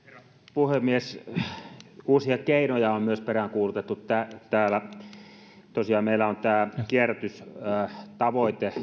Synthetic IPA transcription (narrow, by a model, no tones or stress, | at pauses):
puhemmies | uːsiɑkeˑinojɑommyøsperæŋkuːlut̪et̪ːut̪æt̪æːlæ | t̪osiɑːmeilːˑæont̪æːkiæræt̪ys | t̪ɑʋoˑit̪e